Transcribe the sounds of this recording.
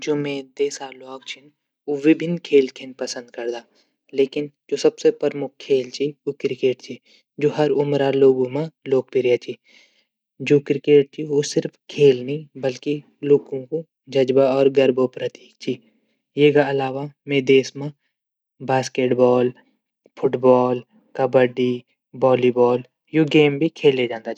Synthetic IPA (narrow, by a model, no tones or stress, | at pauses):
d͡ʒoːmẽd̪eːsalɔːk̚t͡ʃʰɪn | ʊʋibʱɪnkʰeːlkʰenpɐsə̃nd̪̚kɐɾd̪aː | leːkɪnd͡ʒoːsɐbsepəɾmʊk̚kʰːeːlt͡ʃʰiokɾɪkeːʈt͡ʃʰi | d͡ʒoːɦɐɾʊmɾaloːɡõmãloːk̚pɪɾjat͡ʃʰi | d͡ʒoːkɾɪkeːʈ̚t͡ʃʰiosɪɾfkʰeːlnəɦĩbəlki | loːɡõko | d͡ʒɐd͡ʒbaɔːɾɡəɾbopɾət̪iːkt͡ʃʰiː | jeːkaɐlaːʋamẽd̪eːsmã | baːskeːʈbɔːl | pʰʊʈbɔːl | kəbəɖi | bɔːlibɔːl | joːɡeːmbʱikʰeːlːed͡ʒãːnd̪at͡ʃː